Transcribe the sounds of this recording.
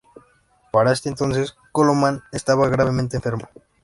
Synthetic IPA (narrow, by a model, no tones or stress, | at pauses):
paɾaest̪ent̪onses | kolomãnest̪aβaɣɾaβemẽnt̪ẽɱfeɾmo